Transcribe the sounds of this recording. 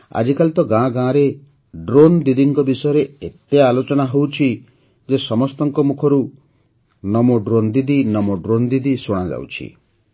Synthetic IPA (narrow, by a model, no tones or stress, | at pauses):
a̰d͡ʒikalit̪ɔɡãɡãɾe | ɖɾond̪id̪iŋkɔbisɔjɔɾeet̪ealot͡ʃɔnaɦowt͡ʃʰi | d͡ʒesɔmɔst̪ɔŋkɔmukʰɔɾu | nɔmoɖɾond̪id̪inɔmoɖɾond̪id̪isoɽ̃ad͡ʒa̰wt͡ʃʰḭ